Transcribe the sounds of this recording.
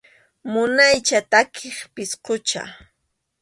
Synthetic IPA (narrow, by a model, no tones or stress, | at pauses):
mʊnajt͡ʃat̪akʰeχpɪsqʊt͡ʃa̰